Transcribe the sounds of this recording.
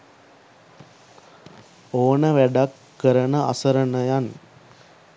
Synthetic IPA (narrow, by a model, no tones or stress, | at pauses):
oːnəʋæɖakːəɾənəʔa̰səɾənəjan